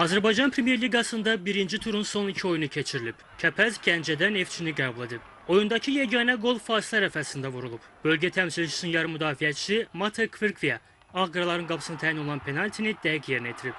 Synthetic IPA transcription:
ɑzæɾbɑjd͡ʒɑnpʰɾemje̞ɾlʲiɡɑsɯnd̪ɑbiɾind͡ʒit̪ʰuɾunso̞nicʰio̞junucʰe̞t͡ʃʰiɾilʲib | cʰæpʰæzɟænd͡ʒæd̪æne̞ft͡ʃʰiniɡæːbulˠe̞d̪ib̚ | o̞jund̪ɑcʰijæɟɑnæɡo̞lˠfɑːslʲˠæɾæfæsind̪ævuɾulˠupb̥ø̞lʲɟæt̪ʰæmsilʲit͡ʃʰi̥synjɑɾɯmyd̪ɑːfijɛt͡ʃʰimɑt̪ʰekʰviɾkʰvia | ɑɣɡɾɑlˠɑɾɯnɡɑpʰɯsɯnɑt̪ʰæːjino̞lˠɑnpʰe̞nɑlʲt̪ʰinid̪̥æɾɡje̞ɾinɛjt̪ʰiɾip

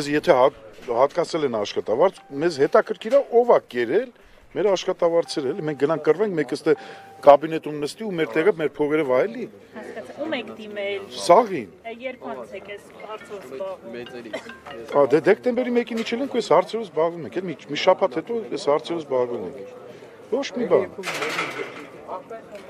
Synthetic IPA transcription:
ɛzjɛt̪ʰɛhɑhɑt̪kɑt͡sʰɛlɛnɑʃχɑt̪ɑvɑɾt͡sʰmɛzhɛt̪ɑkʰəɾkʰiɾɑʔɔvɑɛɾɛl | mɛɾɑʃχɑt̪ɑvɑɾt͡sʰɛɾɛlimɛŋk̚ʰɡənɑŋkʰkərvɛŋk̚ʰmɛkəst̪ɛkɑbinɛt̪umnəst̪iumɛɾt̪ɛʁəmɛɾpʰɔʁɛɾɔvɑjɛli | mɛŋkʰd̪imɛlsɑʁinɛɾkʰɛkɛ | ɾ | ɑd̪ɛd̪ɛk̚t̪ɛmbɛɾimɛkinmit͡ʃʰɛliɛŋkʰujɛshɑɾt͡sʰɛvəzbɑʁvumɛŋkʰɛlmimiʃɑpʰɑt̪hɛt̪ɔjɛshɑɾt͡sʰɛɾəzbɑʁvumɛ̰ŋkʰ | vɔt͡ʃʰmibɑn

